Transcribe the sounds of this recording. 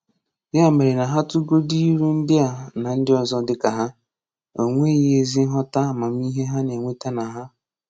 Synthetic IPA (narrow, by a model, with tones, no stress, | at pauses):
ja˦˨me˨ɾɪ˨na˨ɦa˦tu˦ɡo˦di˦ɾu˦n̩˦dɪ˦a˨na˨n̩˦dɪ˦ɔ˨zɔ˦dɪ˦ka˨ɦa˦ | o̰˨ŋʷe˦je˦zi˦ɦɔ˦ta˦˨ma˨m˦i˦ɦe˦ɦa˦ne˨ŋʷe˦ta˦na˨ɦa˦